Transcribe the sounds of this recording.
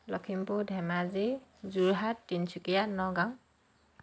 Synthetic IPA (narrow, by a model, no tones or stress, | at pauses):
lɔkʰimpudʱɛmazizuɹɦatːinsʰukijanɔɡaŋ